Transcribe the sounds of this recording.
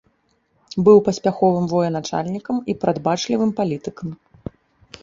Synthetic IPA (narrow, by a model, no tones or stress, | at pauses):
bɨwpɐsʲpʲaxɔvɨmvɔjɛnat͡ʂa̰lʲnʲikɐmipɾʔad̪bat͡ʂlʲivɨmpalʲit̪ɨkɐm